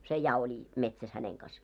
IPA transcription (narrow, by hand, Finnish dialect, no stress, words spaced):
se jɑ oli metsæs hæneŋ kɑs